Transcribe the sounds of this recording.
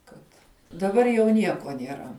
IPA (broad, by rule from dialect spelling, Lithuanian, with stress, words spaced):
ˈkɐt dɐˈbɐr jɛʊ ˈnʲiɛkoː nʲiɛˈrɐ